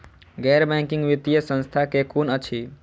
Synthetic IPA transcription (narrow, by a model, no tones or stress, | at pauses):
ɡɛɾbɛ̃ŋkĩŋɡʋit̪ijəsə̃nst̪ʰakekunət͡ʃʰi